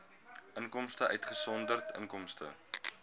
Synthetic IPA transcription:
ʔəŋkɔmstəʔœɥtχəsɔndərtʰə̰ŋkɔmstə̰

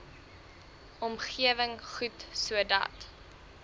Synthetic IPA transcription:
ɔmχiəvəŋχutsuədɐ̰t

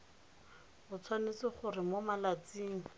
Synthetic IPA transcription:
ʊt͡sʰwanet͡sɪχʊrɪmomalat͡siːŋ̩

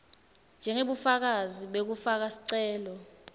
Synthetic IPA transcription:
nd͡ʒʱɛŋeɓufak̬aziɓek̬ufak̬asi̥ǀɛːlɔ

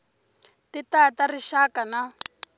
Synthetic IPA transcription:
titatariʃakana

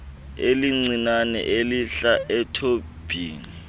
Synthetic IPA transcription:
eliŋ͡ǀinanɛ̰ʔeliɬaʔɛtʰo | b̥ʱiːni

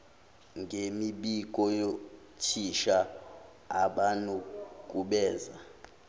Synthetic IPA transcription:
ŋɡʱemiɓik̬ʼɔjo | tʰiʃaː | ɓanuk̬ʼuɓɛːza

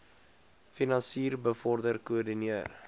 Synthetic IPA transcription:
finɑnsiːrbəfɔrdərkuərdiniər

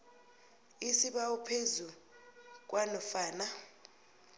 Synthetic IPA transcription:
isiɓaupʰezu | k̬ʼwʔanɔfaːna

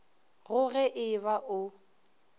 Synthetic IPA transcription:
ɣʊɣɛʔɪβaʔʊ

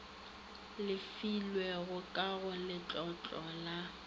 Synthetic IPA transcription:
lɪfilweɣʊkʼaɣʊlɪt͡ɬʼɔt͡ɬʼɔla

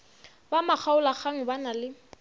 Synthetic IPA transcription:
bamak͡xʰaʊlaχaŋ̩banalɪ

